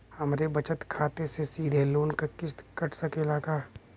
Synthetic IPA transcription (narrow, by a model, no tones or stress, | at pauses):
hɐmɾebɐt͡ʃət̪kʰaːt̪esesiːd̪ʱeloːnkakɪst̪kɐʈʰsɐkelaːkaː